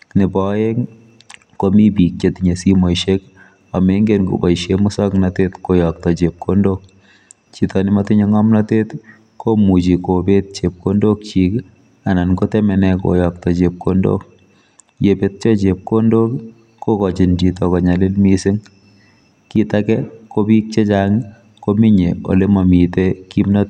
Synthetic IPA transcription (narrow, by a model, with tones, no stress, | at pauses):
nɪ˨bɔje˦ŋ | komi˦bi˨k̚t͡ʃet̪iɲe˨si˦mo˨jʃek | ɔ˨me˦ŋɡenko̰˨ba˨jʃemʊ˦sɔ˦knatet̪ko˨jɔk̚t̪ɔ˨t͡ʃep̚kʰo˦ndok | t͡ʃitɔnɪ˦matɪ˦ɲe˦ŋɔ˦mnate˦t̪ | komu˨t͡ʃi˨ko˨be˦t̪̚t͡ʃe˨p̚ko˦ndo˦k̚t͡ʃik | a˨na˨nko˦tɛmɛ˨nɛko̰jɔ˨k̚tɔ˨t͡ʃe˨p̚kʰondo̰k̚ | je˨pet̚t͡ʃɔ˦t͡ʃe˨p̚kondo˦k | kːo˦kɔt͡ʃi˨ndi˨tɔkɔ˨ɲa˨lɪ˦lmisɪ˦ŋ | ki˦takɛko˦bi˦k̚t͡ʃe˦t͡ʃaŋ | ko˦mi˦ɲe˨o̰˨le˦ma˨mi˨teki˦mnat